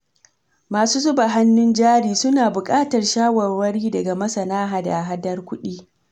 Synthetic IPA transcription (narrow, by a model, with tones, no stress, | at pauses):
maː˨suː˦zʊ˦ba˨ɦa˦nːʊ˦nd͡ʒaː˦ɽiː˨sʊ˦naː˨bʊ˨kʼaː˦tɐ˨rʃaː˦wɐ˨rwɐ˦ɽiː˦dɐ˨ɡa˨mɐ˦sɐ˨naː˦ɦaː˨da˨ɦa˦dɐ˦rkʷʊ˦ɗiː˦